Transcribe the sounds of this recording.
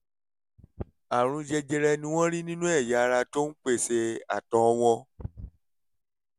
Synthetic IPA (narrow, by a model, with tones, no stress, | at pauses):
a˨ɾ̃ũ˧d͡ʒɛ˧d͡ʒɛ˧ɾɛ˧nĩ˧w̃ɔ̃˦ɾi˦nĩ˦nũ˦ɛ˦˨ja˨˧ɾa˧to˦n̩˦k͡pe˦˨se˧a̰˨tɔ̃˨˦˧w̃ɔ̃˧